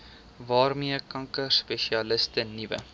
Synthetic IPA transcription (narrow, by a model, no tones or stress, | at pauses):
vɑːrmiəkɐŋkərspeʃiɐləstənivə̰